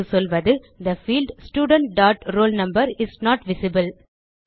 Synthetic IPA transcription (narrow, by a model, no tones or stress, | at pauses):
usɔlʋɐd̪ɨ | d̪ɐfiːlɖsʈjuːɖə̃ɳʈ̚ɖaːʈɾoːlnɐ̃mbɐɾɪsnɔːʈʋɪsɪbəl